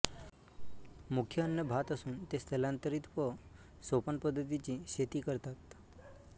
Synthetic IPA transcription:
mukʰjəənːəbʱat̪əsũnt̪eselãnt̪əɾit̪pə | sopənpəd̪ʱːət̪̬it͡ʃiʃet̪ikəɾt̪at̪

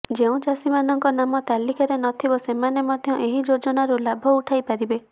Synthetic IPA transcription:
d͡ʒeũd͡ʒasimanɔŋkɔnamɔt̪alikaɾenɔt̪ʰibɔsemanemɔd̪ʱjɔʔeɦid͡ʒod͡ʒɔnaɾulabʱɔuʈʰajpaɾibe

